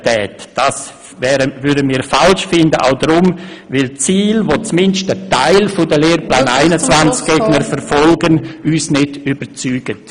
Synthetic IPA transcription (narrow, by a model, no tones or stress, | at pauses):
tɛːtd̥as | vɛːɾəvʏɐdəmiːɾfalʃfɪndəʔa̰ʊdɾʊmvɪlt͡siːlvot͡smɪnʃtətaɪlfʊdəleːrplaːnaɪnət͡svant͡sk̚ɡ̥eːɡ̥nəɾfɛɾfɔlɡənyːsnɪdybət͡syːɡ̥ət